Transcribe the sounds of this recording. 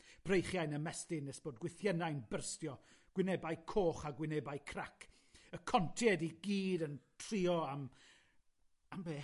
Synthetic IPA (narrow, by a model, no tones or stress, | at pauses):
b̥rejχjajnəmɛstɪnɛsb̥oːdɡwɪθjɛnajnbərstjɔ | ɡ̥wɪnɛbajkʰoːχaɡwɪnɛbajkʰrakʰ | əkʰɔntʰiɛdiɡiːdəntʰr̥iɔam | ambeː